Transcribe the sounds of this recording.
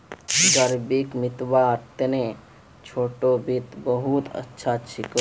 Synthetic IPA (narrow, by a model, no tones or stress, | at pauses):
ɡəɾbikmɪt̪waːɾt̪enẽ | t͡ʃʰoːʈobit̪bəɦut̪ə̰tːʃʰat͡ʃʰik